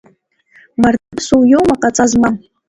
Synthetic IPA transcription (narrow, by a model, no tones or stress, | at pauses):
martʰɨpsuwjowmaqʼat͡sʼazmam